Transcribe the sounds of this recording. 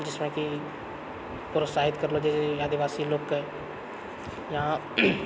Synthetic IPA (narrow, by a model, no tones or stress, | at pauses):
d͡ʒɪsmẽki | pɾosaːɦɪt̪kəɾlod͡ʒɛːseaːd̪iʋaːsiloːkːe | jaã